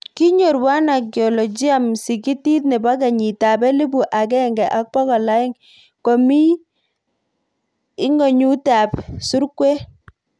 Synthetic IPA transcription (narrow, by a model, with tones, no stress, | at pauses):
ki˦ɲo˨ɾwa˦na˨ɡi˨ɔ˨lɔ˨d͡ʒi˦a˨msi˨ki˦ti˦t̚nɛ˨ba˦k̬a˨ɲi˨ta˨bɛ˦li˦bu˨ʔa˨k̬ɛ˦ŋɡɛ˨ʔa˦k̚pɔ˦kɔ˨la˦ɪ˦ŋ | kɔ˨mi˦ | ɪ˦ŋɔ˨ɲu˦ta˨psu˦ɾkwe˦